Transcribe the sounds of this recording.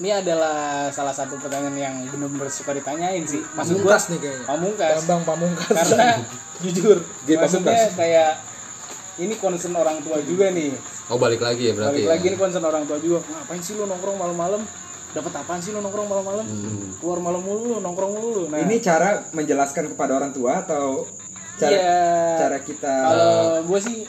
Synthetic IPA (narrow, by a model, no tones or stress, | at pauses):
niadalahsalahsat̪̬upərt̪aɲanjaŋbənərbərsukadit̪aɲaɪnsɪhmaukɡuaasnɪkaaapamuŋkasabaŋpamuŋkaskaɾəna | d͡ʒud͡ʒʊr | ɡaamukaakajaʔ | inikɔnsənoɾaŋt̪uad͡ʒuɡanɪh | obalɪklaɡiabəɾaalklaɡiːnikɔns̬ənoɾaŋt̪uad͡ʒuɡaŋapainsɪlonɔŋkɾɔŋmaləmːaləm | dapət̪apans̬ilonɔŋkɾɔŋmaləmːaləmkluarmaləmːululʊnɔŋkɾɔŋmululʊnainit͡ʃaɾaməɲd͡ʒəlaskankəpadaoɾaŋt̪uaːt̪aw | t͡ʃaɾat͡ʃaɾakit̪akaloɡuas̬ɪ